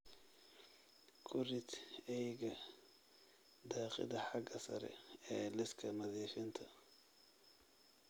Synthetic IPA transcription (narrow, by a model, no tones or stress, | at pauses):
kʰʊrɪt̪ɛjɣɐ | d̪ɑːqɪ̰ðɐħɑɡɐsɐ̰ɾɛ̰ɛːlɪskʰɐmɐðɛːfɪnt̪ʰɐ